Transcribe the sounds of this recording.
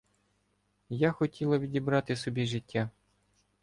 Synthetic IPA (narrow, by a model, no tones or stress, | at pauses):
jaxɔtʲilˠɐʋʲidʲibɾɑt̪ɪsɔbʲiʒɪtʲːa